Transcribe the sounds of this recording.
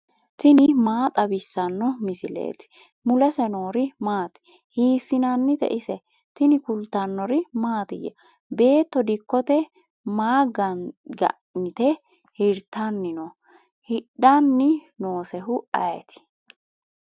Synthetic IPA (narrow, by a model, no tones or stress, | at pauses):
t̪ɪnɪmaːt̪ʼɐbɪsːɐnːɔmɪsɪlḛːt̪ɪ̥ | mʊlɛsɛno̞ːɾɪmaːt̪ɪ̥ | hiːfːɪnɐnːɪt̪ɛ̰ʔɪsɛ | t̪ɪnɪkʊlt̪ːɐnːɔɾɪmaːt̪ɪjɐ̰ | be̞ːt̪ːɔd̪ɪkːɔt̪ɛ | maːɡɐɡɐ̰ | nɪt̪ɛ | hɪɾt̪ːɐnːɪnɔ | hɪɗɐnːɪnoːsɛɦʊɐjɛt̪ɪ̥